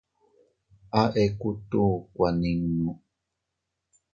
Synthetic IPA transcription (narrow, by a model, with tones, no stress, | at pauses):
ʔaʔe˦ku˦t̪u˦kʷa˨ni˨ŋnu˨